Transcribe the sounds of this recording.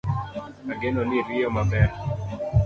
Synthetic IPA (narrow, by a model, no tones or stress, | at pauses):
aɡɛnɔniɾiɔmabɛ